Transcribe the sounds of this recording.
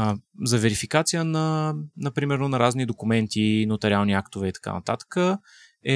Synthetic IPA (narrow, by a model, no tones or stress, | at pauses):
zɐvɛɾifikat̪sijənɐnɐpɾimɛɾnʊnɐɾaznid̪okumɛnt̪inot̪ɛɾʲialˠniakt̪ʊvɛit̪ɐ̥ka̰nɐ̰t̪at̪ə̥kə | ɛ